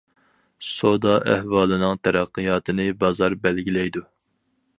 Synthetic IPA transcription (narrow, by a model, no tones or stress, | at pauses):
sod̪ɑʔæ̰hwɑːlˠɨnɨŋt̪ʰæɾæqːɨjɑːt̪ʰɨnɨbɑzɑɾbælɡʲilɛjd̪u